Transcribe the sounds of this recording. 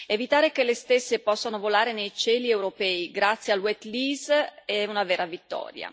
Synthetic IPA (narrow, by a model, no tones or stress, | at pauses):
evit̪aːɾekelest̪esːepɔsːanovolaːɾenejt͡ʃɛːliewɾopɛːiɡɾat̪sːjealwɛt̪liːzɛunavɛːɾavit̪ːɔ̰ːɾja̰